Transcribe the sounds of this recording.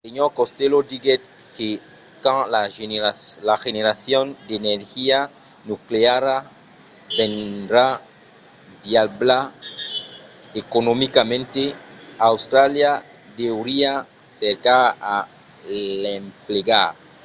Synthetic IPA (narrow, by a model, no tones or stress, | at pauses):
seɲoɾkost̪elod̪iɡet̪̚ | ke | kãŋlaeɾalaxeneɾaθjõnd̪eneɾxia | nukleaɾa | bẽnd̪ɾa | ðjalbla | ekonomikamẽnt̪eawst̪ɾalja | d̪ewɾia | seɾkaa | empleɣaɾ